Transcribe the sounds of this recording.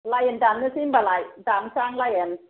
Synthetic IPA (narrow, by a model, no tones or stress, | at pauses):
lajɛndamɯsimbalajdamsaŋlajɛn